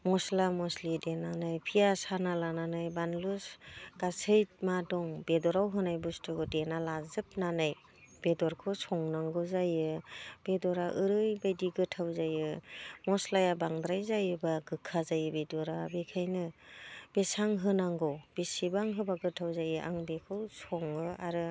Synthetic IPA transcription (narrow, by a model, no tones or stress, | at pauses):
mɔslamɔslidenanajpʰijasanalananajbanlusɡ̥asʰɯjt̚madɔŋbedɔɾawɦɯnajbɯstɯɡɯdenalazɯp̚nanaj | b̥edɔɾkʰɯsʰɔŋnaŋɡɯzajɯb̥edɔɾaʔɯɾɯjbajdiɡɯtʰawzajɯmɔslajabaŋdɾajzajɯbaɡɯkʰːazajɯbedɔɾabekʰajnɯb̥esaŋɦɯnaŋɡɯwb̥esibaŋɦɯbaɡɯtʰawzajɯʔa̰ŋbekʰɯwsɔŋɯaɾɯ